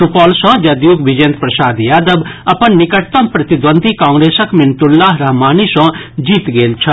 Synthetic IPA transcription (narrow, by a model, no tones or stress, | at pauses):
upɔːlsɔ̃d͡ʒɐd̪juːɡʋid͡ʒent̪pɾɐsaːd̪jaːd̪əbɐpɐnnɪkɐʈt̪ɐmpɾɐt̪id̪ʋənd̪ʱikãːŋɡɾeːsɐkmɪnt̪ʊlːaːɦɾɐɦmaːnisɔ̃d͡ʒiːt̪ɡeːlt͡ʃʰɐ